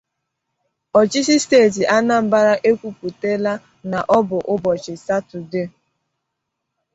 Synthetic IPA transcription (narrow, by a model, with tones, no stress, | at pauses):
ɔ˨t͡ʃi˦si˦steː˦˨t̬i˨ʔa˦na˦m̩˨ba˦ɾa˦ʔe˦kʷu˦pu˨te˦la˦ | na˨ʔɔ˦bʊ˨ʔʊ˦bɔ˨t͡ʃɪ˨sa˦tu˨de˦˨